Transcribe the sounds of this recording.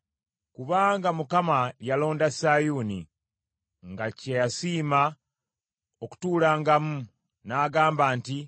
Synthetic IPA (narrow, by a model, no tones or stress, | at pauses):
kuβaːŋɡamukamajalo̞ːndasaːjunḭ | ŋɡacejasiːma | oku̥tuːlaːŋɡamu | naːɡaːmbaːnti